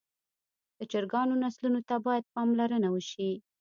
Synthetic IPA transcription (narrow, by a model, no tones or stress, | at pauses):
d̪̥ət͡ʃəɾɡɑnonaslunot̪abɑjad̪̚pɑmlaɾənawəʃi